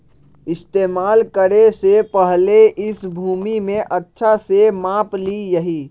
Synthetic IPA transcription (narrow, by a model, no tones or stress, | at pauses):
ɪst̪eːmaːlkəɾesepəɦleʔɪsbʱuːmimẽʔətːʃʰasemaːplijəɦiː